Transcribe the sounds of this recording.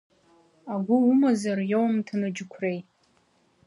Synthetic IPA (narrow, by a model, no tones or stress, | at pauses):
aɡʷʊumazarjowmtʰanɨd͡ʒɪkʷʰrejtʼ